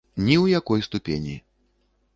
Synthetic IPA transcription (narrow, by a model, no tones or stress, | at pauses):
nʲiwjakɔjst̪upʲḛnʲḭ